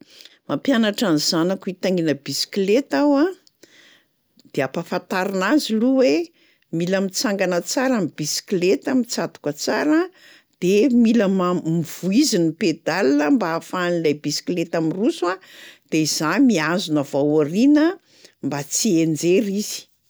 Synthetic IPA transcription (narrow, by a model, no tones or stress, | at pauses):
mapjanaʈ͡ʂaniz̥anakuit̪aŋinəbisi̥klet̪awa | d̪̥eapafant̪aɾinaziluwe | miləmit͡saŋɡanət͡saɾamibisi̥klet̪amit͡sad̪u̥kət͡saɾə | d̪̥emiləmamiv̥uiziniped̪alinəmbaːfanilajbisi̥kilet̪amirusuad̪̥eiz̥amiazunəvawaɾinə | mbat͡siend͡zeɾiz̥i̥